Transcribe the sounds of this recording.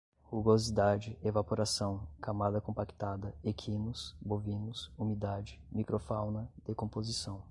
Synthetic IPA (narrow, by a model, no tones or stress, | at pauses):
huɡozid̪ad͡ʒɪevapoɾasɐ̃w̃kʰamad̪ɐkõpaki̥t̪ad̪ɐekʰinʊsbovĩnʊsumid̪ad͡ʒɪmikɾofawnɐd̪̥ekõpozisɐ̃w̃